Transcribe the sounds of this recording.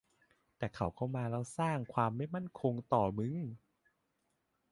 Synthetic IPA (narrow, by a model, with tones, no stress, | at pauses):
t̪ɛː˨˩kʰa˨˩˦wkʰa˧˩wmaː˧ɾɛ˧wsaː˥˩ŋkʰwaː˧mːa˥˩jma˥˩nkʰo˧ŋt̪ɔː˨˩mɯ˧˥˦ŋ